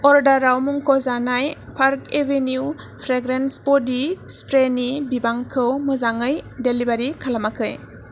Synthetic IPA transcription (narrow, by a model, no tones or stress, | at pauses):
ɔɾdaɾawmuŋkʰɔzanajpʰaɾkebʱenju | pʰɾeɡɾenspɔdispɾenibibaŋkʰɯwmɯzaŋɯjdelibaɾikʰalamakʰɯj